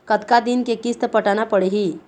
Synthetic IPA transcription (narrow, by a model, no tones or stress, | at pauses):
kət̪kad̪inkekist̪əpəʈanapəɽeɦi